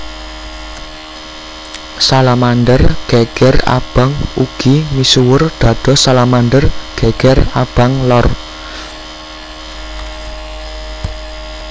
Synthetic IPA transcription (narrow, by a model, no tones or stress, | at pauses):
salamanɖərɡ̥ɛɡ̥ɛra̰b̥a̤ŋuɡ̥imisuwʊrd̪̥ä̤d̪̥ɔ̤salamand̪ərɡ̥eɡ̥ɛrab̥a̤ŋlɔr